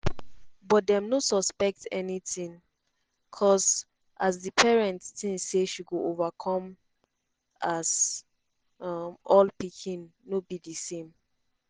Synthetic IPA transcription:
bɔtdɛ̃mnosɔspɛk̚tɛnitĩŋ | kʰɔs | ʔazdipʰɛɹɛ̃ntstĩnseʃiɡoʔovakʰɔ̃m | az | ʌmɔlpikʰĩnːobidisẽm

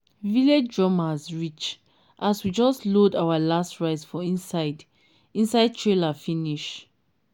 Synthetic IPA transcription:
viled͡ʒdɹɔ̃mazɹit͡ʃ | ʔaswid͡ʒɔstlodawalastɹaɪsfɔĩnsaɪd | ĩnsaɪd̚tʰɹelafiniʃ

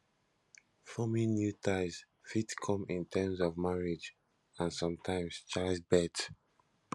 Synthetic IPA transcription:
fɔmĩnjutʰaɪs | fitkʰɔ̃mĩntʰɛmzɔvmaɹid͡ʒ | ãnsɔ̃mtʰãɪ̃mst͡ʃaɪzbɛt

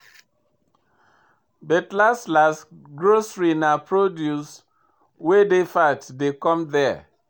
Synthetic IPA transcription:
bɛtlaslasɡɹosɹinapɹodjus | wedefatdekɔ̃mðɛ

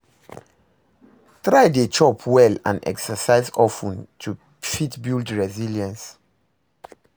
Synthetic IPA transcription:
tɹaɪdet͡ʃɔpʰwɛlã̰nɛ̰ksəsaɪzɔfũntʰu | fitbildɹɛziljə̃ns

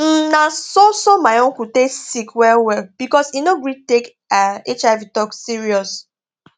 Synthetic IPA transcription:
m̩nasosomaɪõŋkuteksikwɛwɛlb̥ikɔsinoɡɹitek | aet͡ʃavitɔksiɹiɔs

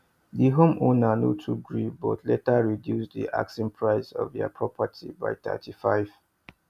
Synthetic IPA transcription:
diɦõmʔonanotʰuɡɹibɔ̰tʰletaɹidjusd̪ḭʔa̰ksĩnpʰɹaɪsɔ̰vja̰pʰɹɔpʰatʰḭba̰ɪt̪ɛ̰tʰifaɪv̥

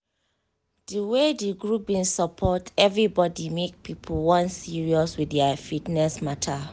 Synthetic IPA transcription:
d̥iwediɡɹubĩnsɔpʰɔtɛvɹibɔdimek̚pʰipʰuwɔ̃nsiɹiɔswiθɛafitnɛsmatʰa

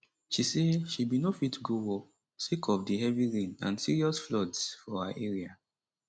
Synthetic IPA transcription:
ʃiseʃibinofitɡuwɔ | sekʰɔfdihɛviɹĩnã̰nsiɹiɔsflɔdsfɔhaʔɛɹia

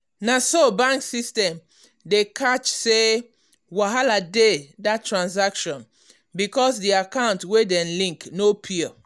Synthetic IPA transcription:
nasobãŋksistɛ̃m | dekʰat͡ʃse | waɦaladedatːɹãns̬akʃɔ̃n | bikɔsdiakãʊ̃ntwedɛ̃nlĩŋknopʰiɔ

